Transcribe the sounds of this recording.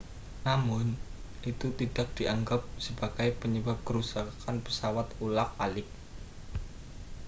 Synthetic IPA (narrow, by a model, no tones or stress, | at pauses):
namʊnit̪ut̪id̥ak̚d̥iʔaŋɡap̚səbaɡ̥ajpəɲəbap̚kəɾusakʰanpə̥sawat̪ulak̚alɪk̚